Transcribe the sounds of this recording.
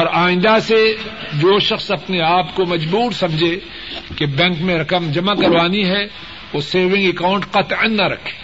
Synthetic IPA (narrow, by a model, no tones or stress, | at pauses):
ɔːɾaːɪ̃nd̪ase | d͡ʒoːʃɐxsɐpneaːpkomɐd͡ʒbuːɾsɐ̃md͡ʒʱe | kebɛ̃ːŋkmẽɾɐkəmd͡ʒɐmakɐɾʋaːniɦɛ | ʋoseːʋɪ̃ŋɡekaːʊ̃ɳʈqɐt̪ə̃nːaɾɐkʰe̥ː